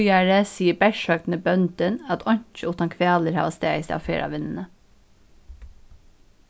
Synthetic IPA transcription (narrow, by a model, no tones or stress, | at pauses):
jæːɹəsiːəbæʃøːkt̪n̩əbœnd̪ənɑt̪ʰɔɲt͡ʃəʊt̪ɑnkʰʋeɑːləɾhɑ̰ːʋɑst̪æːst̪ɛ̰ɑ̰fḛːɾʔɑ̰ʋɪnn̩ə